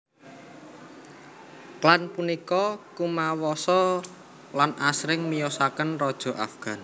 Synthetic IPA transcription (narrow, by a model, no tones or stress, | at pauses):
klanpunikɔkumawɔsɔ | lanʔasɾɪŋmijɔsakənrɔd̥ʒ̥ɔ̤ʔa̰fɡ̥a̤n